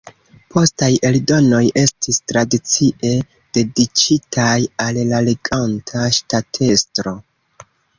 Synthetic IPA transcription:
pʰo̞staje̞ldo̞no̞jʔe̞stistɾadit͡siʔe̞ | d̥e̞dit͡ʃitʰajallale̞ɡantʰaʃtatʰe̞stɾo̞

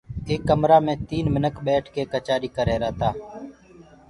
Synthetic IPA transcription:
eːkːəmɾaːmẽːt̪iːnmɪnəkɓɛːʈʰkeːkət͡ʃaːɾiːkəɾeːɾəːt̪aː

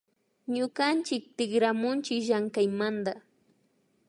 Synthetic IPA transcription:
ɲʊɢant͡ʃɪk̚t̪ɪɡɾamʊnt͡ʃɪkʒaŋkajmand̪a

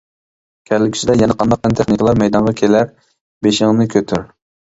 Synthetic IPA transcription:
kʲʰælːɪkʲi̥t͡ʃid̪ɛjɛnɛqʰɑnd̪ɑq̚ɛnt̪ʰeχnikʲlˠɑɾmɛjd̪ɑnʁɑkʲʰelæɾ | beʃɪŋnɨkʲʰøt̪ʰyɾ

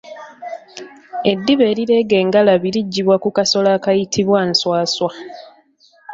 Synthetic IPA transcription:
e̞dːiβe̞ːɾiɾe̞ːɡe̞ːŋɡalaβiɾiɟːiβwakukaso̞laːkajitʰiβwanswaːswa

